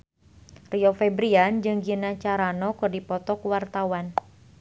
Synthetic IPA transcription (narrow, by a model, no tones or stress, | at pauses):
riɔfɛbɾiand͡ʒɨŋɡinat͡ʃaɾanɔkɨrdipɔt̪ɔkuwart̪awan